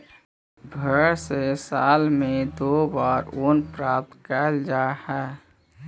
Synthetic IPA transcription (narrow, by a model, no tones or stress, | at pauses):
bʱəɾsesaːlmẽd̪obaːɾonpɾaːp̚t̪kɛld͡ʒaːhɛː